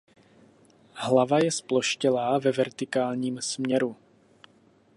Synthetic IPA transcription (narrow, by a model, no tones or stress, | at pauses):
ɦlavajɛsplo̞ʃcɛlaːvɛvɛɾt̪ɪkaːlɲiːmsmɲɛɾu